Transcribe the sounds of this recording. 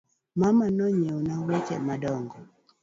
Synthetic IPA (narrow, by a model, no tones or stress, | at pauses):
mamanɔɲeunawet͡ʃɛ̰madɔŋɡɔ